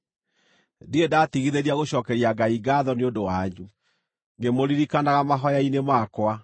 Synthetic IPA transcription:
diedaːtiɣiðeɾiaɣoɕɔːkɛɾiaɡaiɡaðɔneondowaɲu | ŋɡemoɾiɾikanaɣamaɦɔjainemakwa

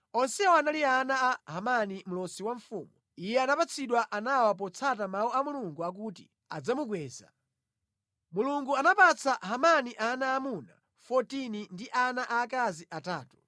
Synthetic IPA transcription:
ɔnsɛwɔanalianaːɦamanimulɔsiwaɱfuːmu | ijɛanapat͡sʰiɗwaʔanawap̬ɔt͡sʰat̬amauamuluŋɡuak̬uːti | a̰d͡zamuɡwɛːza̰ | muluŋɡuanapat͡sʰaɦamaniʔanaːmuna̰ | fɔtinindiʔanaʔakaziʔataːtu̥

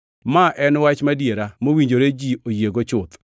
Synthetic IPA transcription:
maʔɛnwat͡ʃmadjeɾamowiɲd͡ʒoɾed͡ʒiojeɡot͡ʃʊt̪

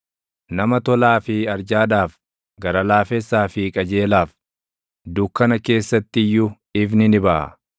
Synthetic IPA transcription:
nɐmɐt̪ɔlaːfɪɐɾd͡ʒaːᶑaːf | ɡɐɾɐlaːfɛsːaːfɪkʼɐd͡ʒe̞ːlaːf | d̪ʊkːɐnɐke̞ːsːɐt̪ːɪjːʊ | ɪfnɪnɪbɐʔɐ̰

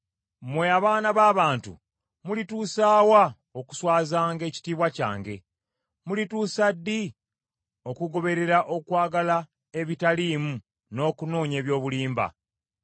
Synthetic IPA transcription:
mwe̞aβaːnaβaːβaːntṵ | mulituːsaːwa | oku̥swaːzaːŋɡe̞ːci̥tiːβwaca̰ːŋɡe̞̰ | mulituːsadːi | o̞kuɡo̞βe̞ɾe̞ɾaʔo̞kwaːɡala | e̞βitaliːmu | no̞ːkuno̞ːɲe̞ːβjo̞ːβuliːmba̰

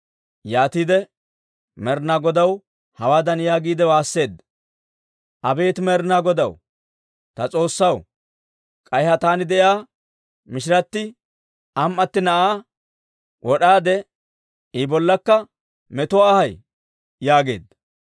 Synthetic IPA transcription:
jaːt̪iːd̪ɛ | mɛɾnaːɡɔd̪ɐw | hɐwaːd̪ɐnjaːɡiːd̪ɛwaːsːe̞ːd̪ːɐ | ʔɐbe̞ːt̪mɛɾnaːɡɔd̪ɐw | t̪ɐt͡sʼo̞ːsːɐw | kʼɐjhɐt̪aːnɪd̪ɛʔjaː | mɪʃ̬ɪɾɐt̪ːɪ | ɐmʔɐt̪ːɪnɐʔaː | wʔɔɗaːd̪ɛ | ɪbɔlːɐkːɐ | mɛt̪ʊwaːhɐj | jaːɡe̞̰ːd̪ːɐ̥

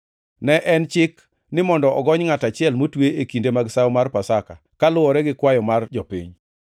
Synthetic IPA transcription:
nɛʔɛnt͡ʃɪk | nɪmɔndɔʔɔɡɔɲŋatat͡ʃɪɛlmotweekindemaɡsawmarpasakakalʊwɔɾɛɡɪkwajɔmard͡ʒɔpḭɲ

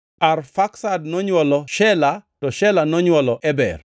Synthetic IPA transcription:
arfaksadnɔɲwɔlɔʃɛlatɔʃɛlanɔɲwɔlɔʔɛbɛ̰r

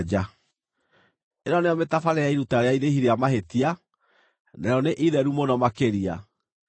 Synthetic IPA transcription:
d͡ʑa | eɾɔneɔmetafaɾeaiɾutaɾeaiɾehiɾeamaɦetia | naɾeɔneʔiðɛɾumonɔmakeɾia̰

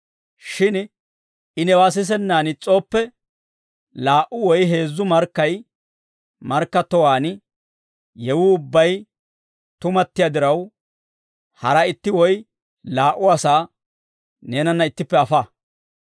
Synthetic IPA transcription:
ʃɪn | ʔɪnɛwaːs̬ɪs̬ɛnːaːnɪt͡sʼo̞ːpːɛ | laːʔʊwɔjɦe̞ːzːʊmɐɾkːɐj | mɐɾkːɐt̪ːɔwaːn | jɛwʊʊbːɐj | t̪ʊmɐt̪ːɪjad̪ɪɾɐw | hɐɾɐɪt̪ːɪwɔj | laːʔʊɐsaː | ne̞ːnɐnːɐɪt̪ːɪpːɛɐfa

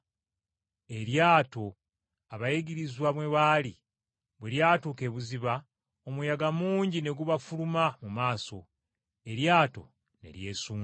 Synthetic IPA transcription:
e̞ɾjaːto̞ | aβajeɡiɾizwaβweβali | βweɾjaːtuːke̞ːβuziβa | omujaɡamuːɲɟine̞ɡuβafulumamumaːso̞̰ | e̞ɾjaːto̞̰ | ne̞̰ɾje̞ːsuː

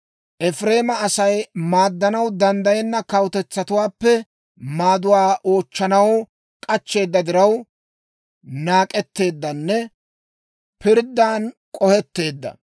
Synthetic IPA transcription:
ʔɛfɾe̞ːmɐːsɐjmaːd̪ːɐnɐwd̪ɐnd̪ɐjɛnːɐkɐwt̪ɛt͡sːɐt̪ʊwaːpːɛ | maːd̪ʊwaːʔo̞ːt͡ʃːɐnɐw | kʼɐt͡ʃːe̞ːd̪ːɐd̪ɪɾɐw | naːkʼɛt̪ːe̞ːd̪ːɐnːɛ | pɪɾd̪ːaːnkʼɔhɛt̪ːe̞ːd̪ːɐ̰

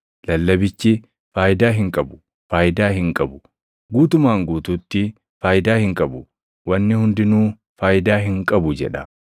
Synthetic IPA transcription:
lɐlːɐbɪt͡ʃːɪ | faːjɪd̪aːɦɪŋkʼɐbʊ̥ | faːjɪd̪aːhɪŋkʼɐbʊ | ɡuːt̪ʊmaːŋɡuːt̪uːt̪ːɪ | faːjɪd̪aːhɪŋkʼɐbʊ | wɐnːɪhʊnd̪ɪnuː | faːjɪd̪aːɦɪŋkʼɐbʊd͡ʒɛ̰ᶑɐ

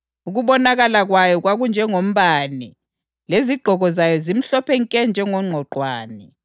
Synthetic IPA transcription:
uɣuβɔnaɣalaɣwajɔɣwaɣund͡ʒʱɛŋom̩βani | leziɡ͡ǃʱɔɣɔzajɔzim̩ɬɔpɛŋkʼɛnd͡ʒʱɛŋɔŋ͡ǃʱɔǃʱwaːnɛ

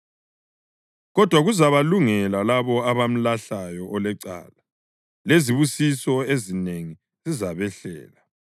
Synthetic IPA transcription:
ɣɔd̥ʱwaɣuzaβaluŋɛlalaβɔaβam̩laɬajɔʔɔlɛǀa̰ːla | leziβusisɔezineŋi | zizaβɛɬɛ̰ːla

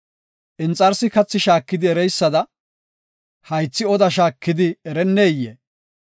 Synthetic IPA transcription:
ʔɪnt͡sʼːɐɾsɪkɐt͡sːɪʃaːkːɪd̪ɪɛɾɛjsːɐd̪ɐ | hɐjt͡sːɪɔd̪ɐʃaːkːɪd̪ɪɛɾɛnːeːjːeː

